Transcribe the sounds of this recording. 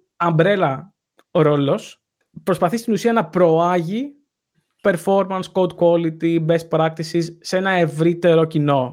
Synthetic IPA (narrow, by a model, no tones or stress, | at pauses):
ɐmbɾelɐ | ɾo̞lo̞s | pɾo̞spɐθist̪inusiɐnɐpɾo̞ɐʝi | pe̞ɾfo̞ɾmɐnskowd̪kwolit̪ibe̞spɾɐk̚t̪isisːe̞nɐe̞vɾit̪e̞ɾo̞cino̞